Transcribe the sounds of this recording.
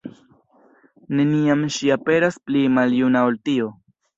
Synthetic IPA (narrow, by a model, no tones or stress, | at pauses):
ne̞niamʃiape̞ɾasplimaljunaolt̪io